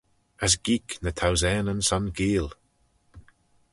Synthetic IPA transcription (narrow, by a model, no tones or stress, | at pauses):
əs̬ɡiknət̪ʰawzɛːnənsɔnɡiːlˠ